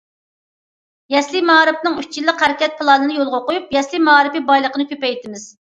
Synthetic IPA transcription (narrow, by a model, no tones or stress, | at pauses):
jɛslɪmɑɾɪpnɨŋyt͡ʃt͡ʃʰilːɨqhæɾɪkʲɛt̪̚pʰlˠɑnɨnɨjolˠʁoqojupjɛslimɑɾɨpɨbɑjlˠəqʰənɨkʲʰøpɛjt̪ʰɪmɪz̥